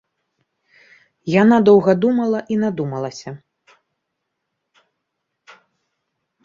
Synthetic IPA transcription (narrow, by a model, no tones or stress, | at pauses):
janad̪ɔwɣɐd̪umɐlˠɐʔinad̪umɐlˠɐsʲɐ